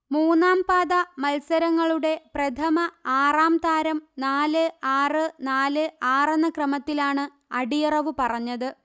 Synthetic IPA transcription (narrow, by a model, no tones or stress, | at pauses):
muːnːaːmpaːðɐmɐlsɐɾɐŋːɐɭuɽe̞prɐt̪ʰɐmɐaːraːmd̪aːɾɐmnaːlɨaːrɨnaːlɨaːrɐnːɐkrɐmɐt̪ːilaːɳɨ | ɐɽijɐrɐʋɨpɐrɐɲːɐðɨ